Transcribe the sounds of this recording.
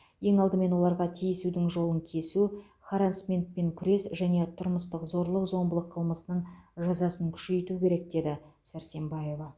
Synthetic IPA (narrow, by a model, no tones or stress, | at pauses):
je̞ŋɑlˠd̪əme̞nwo̞lˠɑɾʁɑt̪ʰijsud̪ɪŋʒo̞lˠəŋkʲʰe̞su | χaɾansmʲent̪̚pe̞ŋkʲʰʏɾe̞sʒæne̞t̪ʰʊɾməst̪əqzo̞ɾlˠəqzo̞mbəlˠəqʰːəlˠməsənəɴʒɑzɑsəŋkʲʰʏ̥ʃe̞jt̪ukʲʰe̞ɾe̞k̚d̪e̞d̪ɪsæɾse̞mbɑje̞vɑ